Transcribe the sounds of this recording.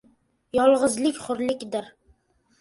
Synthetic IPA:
jɒlˠʁɨzlɪkʲχʊɾlɪkʲd̪ɪɾ

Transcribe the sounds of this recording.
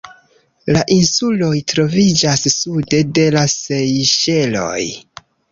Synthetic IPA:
laʔinsulo̞jtɾo̞vid͡ʒasːude̞de̞lasejʃe̞lo̞̰j

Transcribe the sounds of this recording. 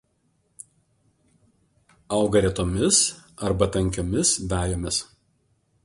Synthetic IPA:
ɐʊɡɐɾʲɛt̪oːmʲɪsɐɾbɐt̪ɐŋʲkʲoːmʲɪsʋʲæːjoːmʲɪs

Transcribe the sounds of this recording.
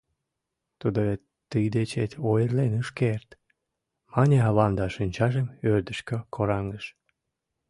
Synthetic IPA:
t̪ud̪oe | t̪ɨjd̪et͡ɕet̪ʲojərlenuʃkert̪ | mɑnʲeɑβɑnd̪ɑʃinʲt͡ɕɑʒemørd̪əʃkəkʰoɾɑŋəʃ

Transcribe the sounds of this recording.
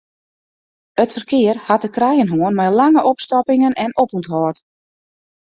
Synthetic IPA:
ətfərkɪːərhatəkrajənɦoənmɛjlaŋəʔɔpstɔpɪŋənɛnopuntɦɔːt

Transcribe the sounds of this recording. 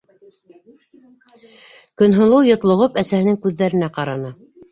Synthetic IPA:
kɵ̆nɦŏlˠɤwjŏt̪lˠŏʁɤpæsæhɘ̆nɘŋkʉðːæɾɘ̆næqɑɾɑnɤ

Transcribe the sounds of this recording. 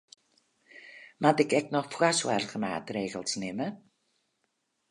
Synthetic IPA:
matɛkɛknɔχfwaswa̰rɣəma̰ːtreːɣəlˠsnɪmə

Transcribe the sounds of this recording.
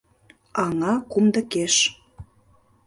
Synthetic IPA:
ɑŋɑkumd̪ə̆keʃ

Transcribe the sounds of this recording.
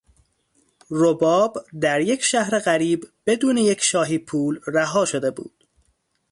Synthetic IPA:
robɒːbd̪æɾje̞cʰʃæhɾeɣæɾiːbbe̞d̪uːneje̞cʰʃɒːɦiːpʰuːlræɦɒːʃo̞d̪e̞bṵːd̪̥

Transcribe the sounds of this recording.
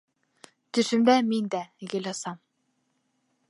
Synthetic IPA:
t̪ɵ̆ʃɘ̆md̪æmind̪æɡɘ̆lʲɑsɑm

